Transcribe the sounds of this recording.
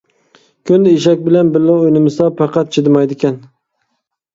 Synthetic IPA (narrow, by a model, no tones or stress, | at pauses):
kʰʲynd̪ɪiʃɛk̚ʲbɪlɛnbɪɾlɪojnɪmɪst̪ɑpʰɑqɑt̪̚t͡ʃʰɪd̪ɪmɑjd̪ɪkʲɛn